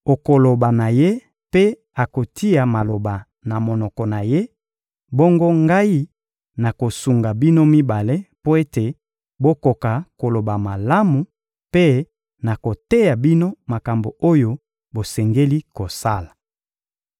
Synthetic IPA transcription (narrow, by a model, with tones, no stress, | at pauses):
o˨ko˨lo˨ba˨na˨je˦ | pe˦ | a˨ko˨tʰi˦ja˨ma˨lo˨ba˨ | na˨mo˨nɔ˨kɔ˨na˨je˦ | bo˦ŋɡo˦ŋɡa˦i˦ | na˨ko˨su˨ŋɡa˨bi˦no˦mi˦ba˨le˦po˦e˦te˨ | bo˦ko˨ka˨ko˨lo˨ba˨ma˨la˦mu˨ | pe˦ | na˨ko˨te˦ja˨bi˦no˦ma˨ka˨mbo˨o˦jo˦ | bo˨sɛ˨ŋɡe˦li˦ko˨sa˦la˨